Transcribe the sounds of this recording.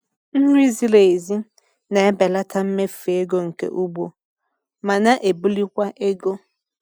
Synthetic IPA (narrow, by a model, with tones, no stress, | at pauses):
n̩˦ɾi˦zi˦le˨e˨zi˦ | na˨e˦bɛ˨la˦tʰa˦m̩˦me˦fe˨e˦ɡo˦ŋ̩˨kḛ˨˦ʔu˦bʷo˦ | ma˨na˦ʔe˨bu˦li˦kʷa˦ʔe˦ɡo˦